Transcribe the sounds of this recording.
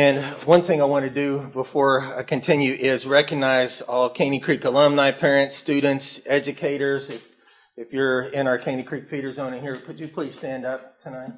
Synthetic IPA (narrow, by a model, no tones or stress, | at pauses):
ɨ̃nwʌ̃nθɪ̃ŋaɪwɑ̃nɨdɨbəfɔɹaɪkʰɨ̃ntʰɪ̃njʉʔɪzɹɛkɨɡ̚naɪzɔlˠkʰẽɪ̃nikʰɹ̥ikəlʌ̃mnaɪpʰɛɹɨ̃ntstʉdⁿn̩tsɛd͡ʒɨkʰeɪɾə˞zɪf | ɨfjə˞ɪ̃ñaə˞kʰẽɪ̃nikʰɹ̥ik̚fiɾə˞zõʊ̃ñnhiɹkʰɨd͡ʒɨpʰl̥iz̥stæ̃ndʌp̚tʰɨnaɪt̚